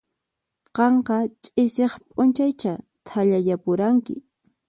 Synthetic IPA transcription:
qɑɴqɑt͡ʃʼɪseχpʼʊnt͡ʃajt͡ʃa | t̪ʰaʎajapʊɾaŋkɪ̰

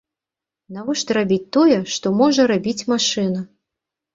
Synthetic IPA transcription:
navɔʂt̪ɾabʲit͡sʲt̪ɔjɛʂt̪ɔmɔʐɐɾabʲit͡sʲmaʂɨnɐ

